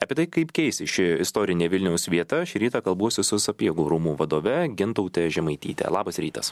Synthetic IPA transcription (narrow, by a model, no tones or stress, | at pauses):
ɐpʲiɛt̪ɐɪkɐɪpkʲɛɪsʲɪʃʲɪɪst̪oːɾʲɪnʲeːʋʲɪlʲnʲɛʊsʋʲiɛt̪ɐʃʲɪɾʲiːt̪ɑːkɐlˠbuɔsʲɪsʊsɐpʲiɛɡuːɾuːmuːʋɐd̪oːʋʲɛɡʲɪnt̪ɐʊt̪ʲɛʒʲɛmɐɪt̪ʲiːt̪ʲɛ̰lˠɑːbɐsɾʲiːt̪ɐs